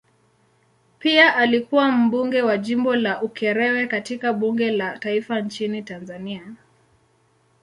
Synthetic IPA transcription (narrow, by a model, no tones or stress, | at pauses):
piaʔalikuwam̩ɓuŋɡɛwaʄimbɔlaʔukʰɛɾɛwɛkatikaɓuŋɡɛlataifant͡ʃinitanzania